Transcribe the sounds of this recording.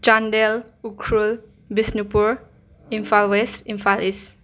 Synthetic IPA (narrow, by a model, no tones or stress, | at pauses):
t͡ʃandel | ukʰɾul | bisnipuɾ | imfʰalwesimfʰalis